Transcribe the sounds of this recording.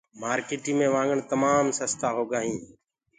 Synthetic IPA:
maːɾkeːʈiːmẽːʋãːŋɡəɳt̪əmaːmsəst̪aːɦoːɡaːɦĩː

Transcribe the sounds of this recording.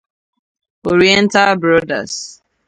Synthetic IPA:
ɔɹiɛ̃ntalbɹɔda̰s

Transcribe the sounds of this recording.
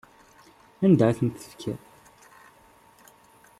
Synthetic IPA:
ænd̪aθənt̪ːə̥fkʰæ̰ɾ

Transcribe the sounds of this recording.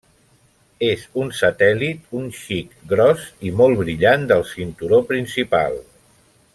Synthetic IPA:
ezunsət̪ɛlit̪̚unʃikɡɾɔzimɔlˠβɾiʎand̪əlˠsint̪uɾopɾinsipa̰lˠ

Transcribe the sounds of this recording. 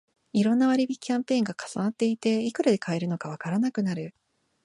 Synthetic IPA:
iɾõ̞nːaβaɾʲibʲikʲːãmpẽ̞ːŋɡakḁsanat̪ːe̞it̪e̞ikɯ̟ɾad̪e̞kʰae̞ɾɯ̟nokaβ̞akaɾanakɯ̟naɾɯ̟

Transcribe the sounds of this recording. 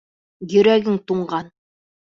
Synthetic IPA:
jɵ̆ɾæɡɘŋt̪uɴɢɑn

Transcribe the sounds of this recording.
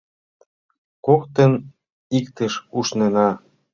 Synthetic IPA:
kokt̪ə̆n | ikt̪ə̆ʃuʃnenɑ

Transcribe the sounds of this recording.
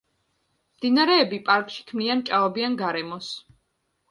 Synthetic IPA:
md̪inaɾɛːbipʼaɾkʼʃi̥kʰmniant͡ʃʼavɔbianɡaɾɛmɔs

